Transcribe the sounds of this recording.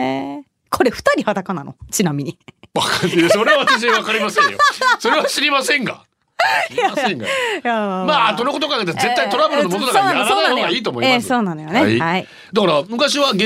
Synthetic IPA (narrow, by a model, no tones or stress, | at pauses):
kʰo̞ɾe̞ɸɯ̟̥t̪aɾʲihat̪akananot͡ɕinamʲiɲ̟iβakaeso̞ɾe̞βaβaaɕ̬iβakaɾʲimasẽjosoɾe̞βaɕiɾʲimasẽ̞ŋɡa̰ | jaẽŋɡajamaːt̪onoko̞t̪okaket̪ːeɾze̞t̪ːait̪o̞ɾabɯɾɯnomonod̪akoanãaɾaːaoɡaiːt̪omo̞ieso̞ːnãnojonehai | d̪akaɾamɯ̟kaɕiβaɡẽ